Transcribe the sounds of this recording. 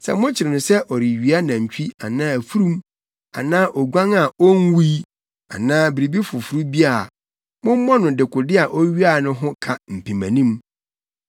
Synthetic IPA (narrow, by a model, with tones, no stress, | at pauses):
sɛ̰˨mʊ̃˦t͡ɕʰɪ˨ɾɪ˨nʊ̃˨sɛ˦ʔɔ˨ɾi˨ɥi˨a˦nã˨ɲ̩˨t͡ɕʰᶣi˦a˨nãː˦æ˨fu˦ɾũ˦m | a̰˨nãː˦ʔɔ˨ɡʷã˦ŋa˨ɔ˦n˦wu˦ | a̰˨nãː˦bi˨ɾi˨bi˦fʊ˨fu˨˦ɾu˦bi˦a˨ | mʊ̃˦m˦mɔ̃˦nʊ̃˨dɪ˨kʰʊ˨dɪ˦a˨ʔɔ˦ɥi˦a˦˨nʊ̃˦ɦʊ̃˦kʰa˨m̩˨pʰĩ˨mã̰˨nĩ˦m